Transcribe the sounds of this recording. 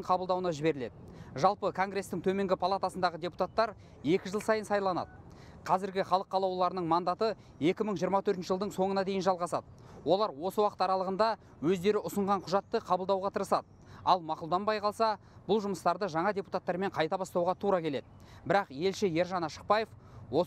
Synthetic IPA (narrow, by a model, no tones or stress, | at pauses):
qʰɑbəlˠd̪ɑwənɑʒɪbe̞ɾɪle̞̰d̪ɪʒɑlˠpəkʰo̞ŋɡɾe̞st̪ɪŋt̪ʰɵme̞ŋɡʲɪpʰɑlˠat̪asənd̪ɑʁəd̪ʲe̞pu̥t̪at̪ːɑɾ | je̞kʲɪʒəlˠsɑjənsɑjlˠɑnɑ̰d̪ə | qʰɑzɪɾɡʲɪχɑlˠəqːɑlˠɑwlˠɑɾənəɴmɑnd̪ɑt̪ə | e̞kʲɪməɴʒijəɾmɑt̪ʰɵɾt̪nʃəʒəlˠd̪əɴso̞ɴənɑd̪e̞jɪnʒɑlˠʁɑsɑd̪ə | wo̞lˠɑɾwo̞səwɑqət̪ɑɾɑlˠəʁənd̪ɑ | wɵzd̪e̞ɾɪʔʊsəɴʁɑɴqʰʊʒɑt̪ːəqʰɑbəlˠd̪ɑwʁɑt̪ʰəɾəsɑd̪ə | ɑlˠmɑqʊlˠd̪ɑnbɑjqʰɑlˠsɑ | b̥ʊlˠʒʊməst̪ɑɾd̪əʒɑɴɑd̪ʲe̞pu̥t̪at̪ːɑɾme̞ɴqʰɑjt̪ɑbɑst̪ɑwʁɑt̪ʰuɾɑkʲʰe̞le̞d̪ɪ | bɪɾɑqje̞lʃɪje̞ɾʒɑnɑʃə̥q̚pɑjef | wo